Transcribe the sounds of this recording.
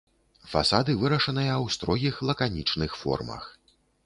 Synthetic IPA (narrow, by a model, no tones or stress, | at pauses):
fa̰sad̪ɨvɨɾɐʂɐnɨjɐwst̪ɾɔɣʲixlˠɐkanʲit͡ʂnɨxfɔ̰rmɐ̰x